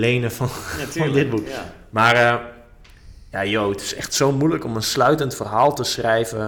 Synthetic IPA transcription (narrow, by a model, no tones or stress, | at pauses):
lejnəfɔnɔndɪt̚buk | marə | jajowətɪ̥sɛ̰xtsowmujləkɔmənslœɥtəntfərɦaːlˠtəsrɛjvə